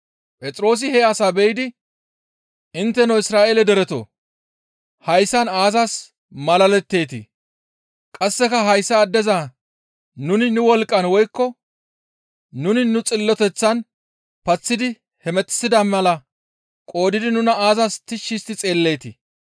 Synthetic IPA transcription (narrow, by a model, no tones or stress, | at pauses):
pʼɛt͡sʼɾo̞ːs̬ɪhɛɐsaːbɛjɪd̪ɪ | ɪnt̪ːɛnɐwɪsɾaːʔeːlɛd̪ɛɾɛt̪o̰ː | hɐjsːɐnaːzɐs | mɐlɐlɛt̪ːe̞ːt̪ɪ̰ | kʼɐsːɛkɐɦɐjsːɐːd̪ːɛza | nʊnɪnʊwɔlkʼːɐnwɔjkːɔ | nʊnɪnʊt͡sʼɪlːɔt̪ɛt͡sːɐn | pɐt͡sːɪd̪ɪ | hɛmɛt̪ːɪ̥sːɪd̪ɐmɐlɐ | kʼo̞ːd̪ɪd̪ɪnʊnɐaːzɐst̪ɪʃːɪst̪ɪt͡sʼe̞ːlːe̞ːt̪ɪ̰